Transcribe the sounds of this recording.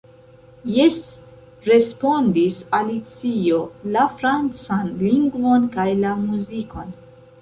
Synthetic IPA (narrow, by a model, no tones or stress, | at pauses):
jes | ɾe̞spo̞ndisalit͡sio̞lafɾant͡sanliŋɡvo̞nkajlamuziko̞n